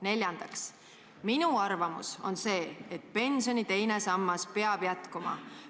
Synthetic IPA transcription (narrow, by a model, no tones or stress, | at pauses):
ne̞lʲjɑnd̪̥ɑks | minuɑrvɑmṵso̞̰nse̞ːet̪̚ˑpe̞nso̞nit̪e̞jne̞sɑmːɑspe̞ɑb̥jæt̪kumɑ̰